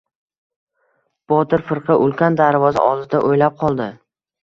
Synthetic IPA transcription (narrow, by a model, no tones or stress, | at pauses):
b̥ɒt̪ʰɪɾfɨɾqʰɨʔʊlˠkʲand̪aɾvɒza̰ʔɒlzɪd̪aʔojlap̚qʰɒlˠd̪ɪ